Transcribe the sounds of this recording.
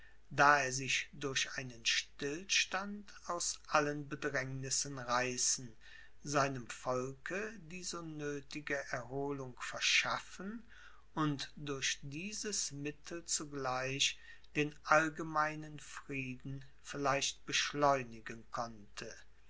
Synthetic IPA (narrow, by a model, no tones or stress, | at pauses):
d̥aːeːɐzɪçd̥ʊɐɕaɪnənʃtɪlʃtant | aʊsʔalənbədʁɛŋnɪsənʁaɪsn̩ | zaɪnəmfɔlkʰədiːzonøːtɪɡəʔɛɐɦoːlʊŋfɛɐʃafən | ʔʊntdʊɐʃd̥iːzəsmɪtʰl̩t͡suɡlaɪʃ | d̥eːnʔalɡəmaɪnənfʁiːdn̩ | fɪlaɪʃt̚b̥əʃlɔʏnɪɡənkʰɔntʰə